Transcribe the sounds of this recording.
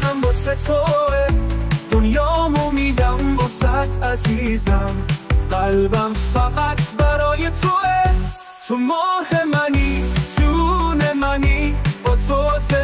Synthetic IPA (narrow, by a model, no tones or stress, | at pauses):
ambɔːset̪ʰɔed̪̥onjɒːmomiːd̪æmbɒːzæt̪ʰæziːzæmɢælbæmfæɣæt̪ʰbæɾɒːjet̪ʰoe | t̪ʰomɔːhemænit̪ʰunemænib̥ɒːt̪ʰose